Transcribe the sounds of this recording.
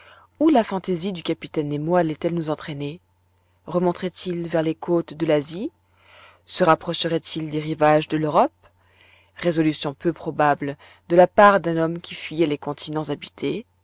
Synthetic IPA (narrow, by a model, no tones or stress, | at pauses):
ulafɑ̃t̪ezid̪ykʲapit̪ɛnːemwalɛt̪ɛlnuzɑ̃t̪χɛne | ʁəmɔ̃t̪χɛt̪ʰilvɛʁlekʰot̪d̪əlazi | səʁapχɔʃəʁɛt̪ʰild̪eʁivaʒd̪əløʁɔp | ʁezɔlysjɔ̃pøpχɔbabl | d̪əlapaʁd̪ɛ̃nɔmkʲifɥijɛlekɔ̃t̪ʰinɑ̃zabit̪ʰe